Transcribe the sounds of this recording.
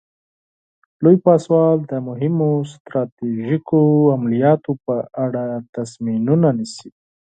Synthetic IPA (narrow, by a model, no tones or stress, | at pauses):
lojpɑswɑld̪əmʊɦɪmost̪ɾɑt̪iʒikoamalijɑt̪opəʔaɽat̪asminunanisi